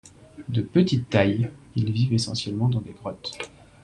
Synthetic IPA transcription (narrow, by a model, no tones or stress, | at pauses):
d̪əpət̪it̪ːajilvivesɑ̰̃sjɛlmɑ̃d̪ɑ̃d̪eɡʁɔt̪